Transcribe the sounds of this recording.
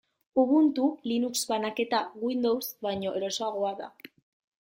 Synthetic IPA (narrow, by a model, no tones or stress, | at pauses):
uβunt̪ulinukzβanake̞t̪aɣwind̪owsβajɲo̞ʔe̞ɾo̞soaɣ̞o̞aða̰